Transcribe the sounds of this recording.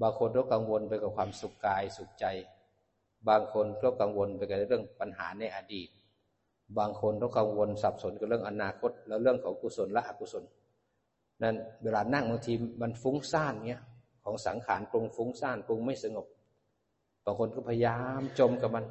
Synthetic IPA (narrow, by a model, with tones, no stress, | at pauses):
baː˧ŋkʰo˧nkɔ˧˥˩ka˧ŋwo˧npa˧jka˧˩kʰwaː˧msu˧˦kːaː˧jsu˨˧˦k̚t͡ɕa˧j | baː˧ŋkʰo˧nkɔː˧˩wka˧ŋwo˧npa˧jka˧˩˧ɾɯ˥˩əŋpa˧˨nɦa̰ː˨˩˦na˧jʔaː˧diː˨˩t̪̚ | baː˧ŋkʰo˧nkɔː˧˥˨ka˧ŋwo˧nsa˨˩p̚so˨˦nka˧˩lɯ˥˩əŋʔa˧naː˧kʰo˧˥˩t̪̚lɛ˧˩lɯ˥˩əŋkʰɔː˨˦ŋkuː˧˩so˧˦nla˧ʔaː˧kuː˧so˧˦n | na˧˩˨nweː˧laː˧˩naː˧˥˩ŋmɯ˧ŋt̪ʰiː˧ma˧nfuː˧˥ŋsaː˧˥˩nŋi˧˥ɐ˨ | kʰɔː˨˦ŋsa̰˨˩˦ŋkʰaː˨˩˦npu˧ŋfuː˧˦˥ŋsaː˥˩nplu˧ŋma˥˩jsa˧ŋo˨˧˩p̚ | baː˧˩ŋkʰo˧nkɔː˧˩pʰa˧jaː˧mt͡ɕo˧mka˧˩ma˧˨n